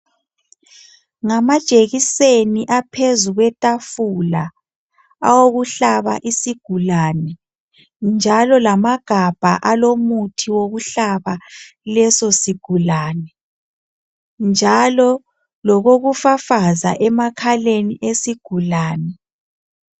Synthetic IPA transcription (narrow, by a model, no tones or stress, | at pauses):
ŋamad̥ʒ̥ʼʱeɣiseniʔapʰezuɣwɛtʼafula | a̰woɣuɬaβa̰ʔisiɡ̥ʱulanɛ | nd͡ʒʱalɔlamaɡ̥ʱab̥ʱa̰ʔalomutʰiwoɣuɬaβalɛsosiɡ̥ʱulaːnɛ | nd͡ʒʱalɔ | lɔɣoɣufafaza̰ʔɛmakʰaleniʔesiɡ̥ʱulaːnɛ